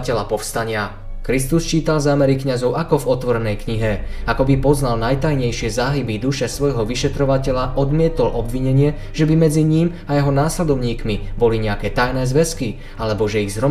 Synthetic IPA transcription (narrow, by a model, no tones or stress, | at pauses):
cɛʎapɔfst̪aɲɪa | kɾist̪ust͡ʃiːt̪alzaːmɛɾikɲazɔʊʔakɔvɔt̪ʋɔɾɛnɛjkɲiɦɛakɔbipɔznalnajt̪ajɲɛjʃɪɛzaːɦibid̪uʃɛsʋɔjɦɔʋiʃɛt̪ɾɔʋacɛʎaʔɔd̪mɪɛt̪ɔlʔɔbʋiɲɛɲɪɛ | ʒ̥ɛbimɛd͡ziɲim | ajɛɦɔnaːslɛd̪ɔʊɲiːkmibɔliɲɛakɛːt̪ajnɛːzʋɛski | alɛbɔʒɛiɣzɦɾɔ